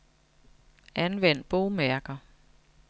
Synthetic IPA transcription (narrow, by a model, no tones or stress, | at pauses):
ʔænʋen̰d̥̚b̥oʊmæɐɡ̥ɐ